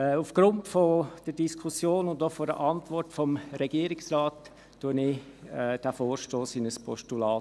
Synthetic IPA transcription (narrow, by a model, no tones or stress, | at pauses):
ufɡ̥ɾʊntfod̥əd̥iskʰusjoːnʊndɔfodə̰ʔɑntvɔrtfɔmɾɛɡ̥iəɾɪksraːtː | uənɪɛd̥æfoːɾʃtoːsɪnəspʰɔʃtulɑː